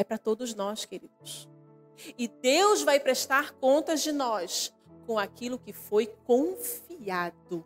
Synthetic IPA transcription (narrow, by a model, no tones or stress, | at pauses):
ɛpɾɐt̪od̪ʊznɔskeɾid̪ʊs | ɪd̪ewzvajpɾeʃt̪aɾkõnt̪ɐzd͡ʒɪnɔs | kõw̃akilʊkɪfojkõfiad̪ʊ